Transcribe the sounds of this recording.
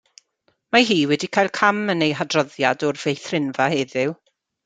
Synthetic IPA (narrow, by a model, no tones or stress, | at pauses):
maɦiːwɛdikʰajlˠkʰamənejɦadrɔðjadɔrv̥ejθrɪnvaheːðɪw